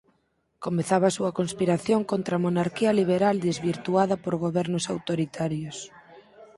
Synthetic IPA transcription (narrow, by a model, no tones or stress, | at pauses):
komeθaβasuɐkonspiɾaθjoŋkont̪ɾamonaɾkiɐliβ̞eɾald̪ezβiɾt̪uaðɐpoɾɣ̞oβɛɾnʊsawt̪oɾit̪ʰaɾjos